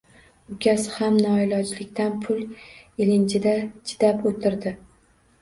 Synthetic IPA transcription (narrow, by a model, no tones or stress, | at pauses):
ʊkʲʰasɪhamnɒɪlɒd͡ʒlɪkʲt̪ʰanpʰʊlˠ | elɪnt͡ʃʰɪd̪at͡ʃʰɪ̥d̪̥apot̪ʰɪɾd̪ɪ